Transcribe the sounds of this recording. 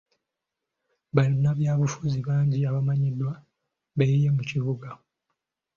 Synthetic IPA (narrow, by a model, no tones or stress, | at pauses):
βalinaβjaːβufuziβaːɲɟiaβamaɲidːwa | βejijemuciβuɡa